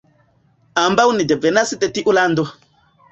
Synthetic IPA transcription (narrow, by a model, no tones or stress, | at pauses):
ambawnidɛvɛnasitɛtiʔulando